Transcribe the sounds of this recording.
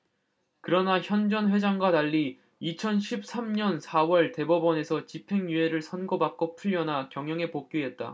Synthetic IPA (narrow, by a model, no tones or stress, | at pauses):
kɯɾʌnaçjʌnd͡ʑʌnɸwe̞d͡ʑaŋɡwataʎːi | it͡ɕʰʌnɕʰip̚s͈amɲʌnsʰawʌɭte̞bʌbʌne̞sʰʌt͡ɕipʰe̞ŋjue̞ɾɯɭsʰʌnɡʌbak̚k͈ʌpʰuʎːʌnakjʌŋjʌŋe̞pok̚k͈iet̚t͈a̰